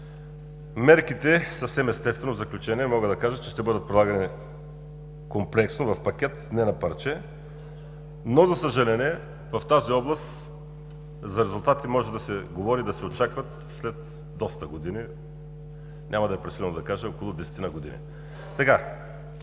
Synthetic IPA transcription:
mɛɾkit̪ɛsɐfsɛmɛst̪ɛst̪vɛnovzɐklʲut͡ʃɛniɛmɔɡəd̪ɐkaʒət͡ʃɛʃt̪ɛbɤd̪ət̪̚pɾid̪lˠaɡɐni | komplɛksnovɐfpɐkʲɛt̪nɛnɐpɐɾt͡ʃɛ | nozɐsəʒɐlɛniɛ | vɐft̪aziɔblˠɐst̪ | zɐɾɛzulˠt̪at̪imɔʒɛd̪ɐsɛɡovɔɾid̪ɐsɛot͡ʃakvɐt̪ | slɛt̪ | d̪ɔst̪ɐɡod̪ini | nʲʔamɐd̪ɐɛpɾɛsilɛlˠnod̪ɐkaʒəokolˠʊd̪ɛsɛ̥t̪inaɐɡod̪ḭnḭ | t̪ɐka

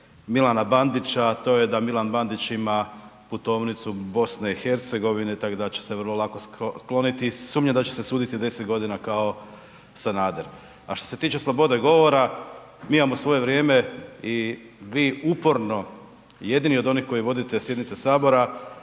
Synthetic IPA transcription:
milˠanaband̪it͡ʃat̪o̞jed̪amilanband̪it͡ʃimaput̪o̞ːʋnit̪subo̞sneixe̞ɾt̪se̞ɡo̞ʋine̞t̪akod̪at͡ɕe̥se̞ʋər̩lˠo̞lˠakosklˠo̞nit̪isuːmɲad̪at͡ɕesesuːd̪it̪id̪e̞set̪ɡo̞d̪inakao̞ | sanaːd̪eɾ | aʃt̪o̞se̞t̪iːt͡ʃe̞slˠobo̞d̪eɡo̞ʋo̞ɾa | miːimamosʋo̞jeʋɾje̞ːme̞i | ʋiːupo̞ɾno̞ | je̞d̪inio̞d̪o̞nixko̞jiʋo̞d̪it̪esje̞d̪nit̪sesaːbo̞ɾa

